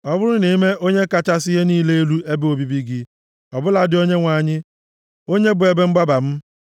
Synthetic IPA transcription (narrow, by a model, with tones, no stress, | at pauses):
ɔ˦bʊ˦ɾʊ˦ne˨˦me˦o˦ɲe˦ka˨t͡ʃa˦sɪ˦ɦe˦niː˦le˦e˦lu˦e˦be˦o˨bi˦bi˦ɡi˦ | ɔ˨bʊ˦la˨dɪ˨˦o˦ɲe˦ŋʷa˨ɲɪ˦ | o˦ɲe˦bʊ˨e˨be˦m̩˦ɡ͡ba˦ba˨m̩˦